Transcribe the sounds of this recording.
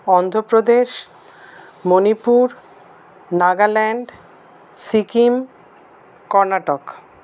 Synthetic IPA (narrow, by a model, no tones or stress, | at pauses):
ɔnd̪ʱopɾod̪eʃ | monipuɾ | naɡalɛɳɖ | sikim | kɔɾnaʈok